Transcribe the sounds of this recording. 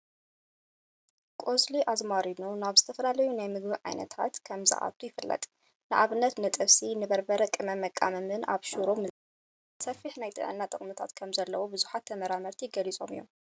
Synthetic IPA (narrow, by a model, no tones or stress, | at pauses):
kʼozliʔazmaɾinunaβzɨt̪ʰɐfɐlalɐjunajmɨɡbiʕa̰jnɐ̰t̪ʰa̰t̪kʰɐmzɨ̰ʔa̰t̪ʰujɪfɨlːɐ̰t̪ʼ | nɨʔa̰βɨnːɐt̪nɨt̪ʼɨβsinɨbɐɾbɐɾɐkʼɨmɐmɐkʼːa̰mɐmɨna̰βʃuɾo | sɐfiħnajt̪ʰʼɨ̰ʕɨ̰nːat̪ʼɨχʼmɨt̪ʰa̰t̪kʰɐmzɐlːɐwobɨzuħat̪ʰːɐmɐɾamɐɾt̪ʰijɪɡɐlit͡sʼo̞̰mɨjːom